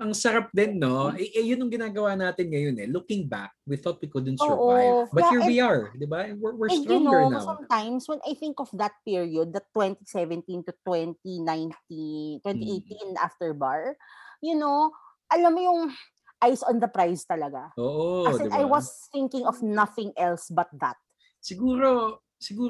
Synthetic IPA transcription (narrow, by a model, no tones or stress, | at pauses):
ʔɐŋsɐɾap̚d̪ɪnːoɛʔɛjʊnʊŋɡɪnaːɡɐwaːnaːt̪ɪnŋɐjonɛlʊkɪ̃ŋbakwiθɔt̪̚wikʊd̪ɛ̃nsoʔobɐthiɹwiɐɹd̪ɪbawɪwɪɹjʊnonsɐ̃mt̪ãjmswɛ̃nʔajθɪ̃ŋkɔfd̪ɐt̪̚piɹiod̪̚ːɐt̪wɛ̃nt̪isɛvɛ̃nt̪ĩnt̪ʊt̪wɛnt̪inãjnt̪it̪wɛ̃niʔejt̪ĩnʔa̰ft̪ɛɹbaɹjʊno | ʔɐlɐmːojʊŋ | ʔajsɔ̃nd̪ɐpɾajst̪ɐlɐɡaoːʔoɛnajwɐsθɪ̃ŋkɪ̃ŋɔfnɐθɪ̃ŋʔɛlsbɐt̪̚d̪ɐt̪̚ | sɪɡuːɾo | sɪɡuː